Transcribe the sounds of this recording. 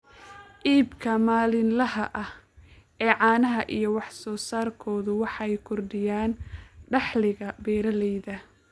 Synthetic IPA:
ʔiːbkʰɐmaːlɪnlɐɦɐʔɐh | ʔɛːʕɑːnɐɦɐʔijɞwɑħsɔːsaːrkʰɔːðʊwɑħɑɛjkʰʊrɖɪjaːnɖɑħlɪɣɐbɛːɾɐlɛjðɐ

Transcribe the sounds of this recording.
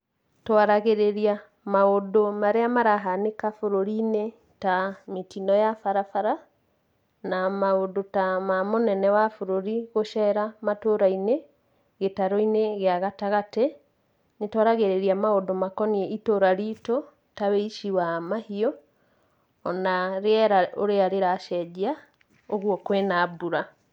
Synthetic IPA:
twaɾaɣeɾeɾia | maodomaɾeamaɾaɦanekafoɾoɾine | tametinɔjafaɾafaɾa | namaodotamamonɛnɛwafoɾoɾiɣoʃɛɾamatoɾaine | ɣetaɾoineɣeaɣataɣate | netɔɾaɣeɾeɾiamaodomakɔniɛʔitoɾaɾito | taweiʃiwamahiɔ | naɾeɛɾaoɾeaɾeɾaʃɛd͡ʒia | oɣwɔkwenabuɾa

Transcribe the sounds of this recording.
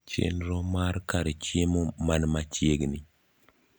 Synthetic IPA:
t͡ʃḛnɾɔmarkaɾɛt͡ʃjemomanmat͡ʃjeɡni

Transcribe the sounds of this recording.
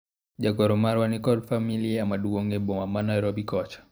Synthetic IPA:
ʄaɡɔɾɔmaɾwanikɔlfamiliamaɗuɡɔŋɡɛbɔmamanajɾɔbikɔt͡ʃḁ

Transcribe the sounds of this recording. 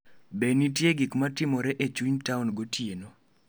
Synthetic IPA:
benitjeɡikmatɪmɔɾɛʔet͡ʃuɲtaʊnɡotjeno

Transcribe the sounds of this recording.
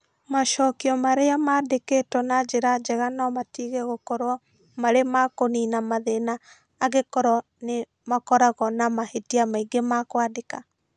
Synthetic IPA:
maʃɔːkiɔmaɾeamaːdeketwɔnad͡ʒeɾad͡ʒɛɣanamatiɣeɣokɔɾwɔ | maɾemakoninamaðenaː | ɣekɔɾɔ | ne | makɔɾaɣɔnamahetiamaiɡemakwadeka

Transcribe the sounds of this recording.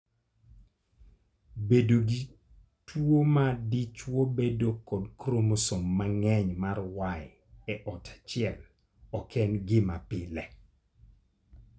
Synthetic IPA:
bedoɡi | twomadit͡ʃwobedokɔdkɾomosomːaŋɛɲmarwajɪ | ɛʔɔtʰḁt͡ʃɪjɛl | ɔkʰɛnɡɪmapɪlɛ

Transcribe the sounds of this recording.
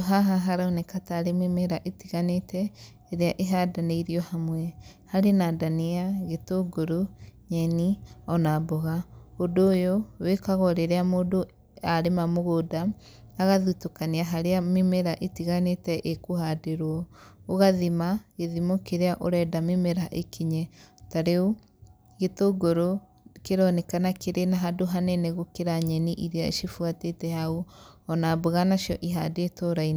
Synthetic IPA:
ɦaɦaɦaɾaonekataɾememeɾaʔetiɣanetɛː | ɾeaʔeɦadaneiɾiɔhamwɛhaɾenadaniaɣetoɡoɾoɲɛniɔnaboɣaodoːjowekaɣɔɾeɾeamoːdo | aɾemamoɣodaː | ɣaðutokaniaɦaɾeamemeɾaʔetiɣanetɛʔekoɦadeɾwɔoɣaðimaɣeðimokeɾeaʔoɾɛdamemeɾaʔekiɲɛtaɾeo | ɣetoɡoɾo | keɾɔnɛkanakeɾenaɦadoɦanɛnɛɣokeɾaɲɛniʔiɾeaḛʃifwatetɛhauɔnaboɣanaʃjɔʔiɦadeetoɾai

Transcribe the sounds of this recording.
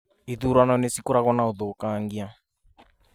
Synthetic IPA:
iðuɾwanɔnesikuɾaɣɔnauðɔkaŋɡia

